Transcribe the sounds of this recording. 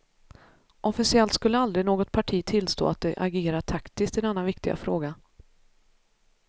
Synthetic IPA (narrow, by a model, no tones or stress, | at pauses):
ʔɔfɪsɪɛlt̪skɵlːəald̪ɾɪnoːɡɔt̪̚pʰaʈʰiːt̪ʰɪlst̪o̰ːa̰t̪̚d̪ɛʔaɡeːɾaʈʰakt̪ɪskt̪ɪd̪nɛnːanvɪkt̪ɪɡa̰fɾoːɡa